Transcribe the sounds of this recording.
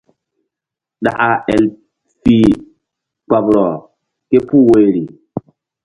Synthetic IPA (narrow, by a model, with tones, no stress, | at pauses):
ɗa̰˨ʔa˨ʔɛ˨l | fi˨ | k͡pa˨bɾɔ˨ | ke˦pu˦we˨ɾi˨